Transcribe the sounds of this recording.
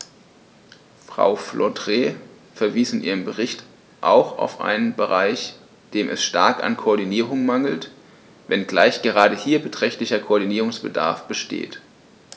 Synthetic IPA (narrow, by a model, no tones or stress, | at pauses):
fʁ̥a̰ʊflʔɔdʁeː | fɛɐviːsɪnʔiːʁ̞əmbəʁɪçt | ʔa̰ʊxa̰ʊfʔa̰ɪnənbəʁaɪç | d̥eːmʔɛ̰sʃta̰ɐka̰nkʰoɐdiniːʁʊŋmaŋl̩t | vɛnɡlaɪçɡ̥əʁaːɾəhiːɐbətʁ̥ɛçtlɪçɐkʰoːɐdiniːʁʊŋsb̥əda̰ɐfb̥əʃtḛːt